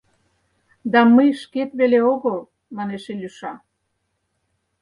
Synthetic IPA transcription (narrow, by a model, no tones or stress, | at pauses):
d̪ɑməjʃket̪βeleoɣol | mɑneʃelʲyʃɑ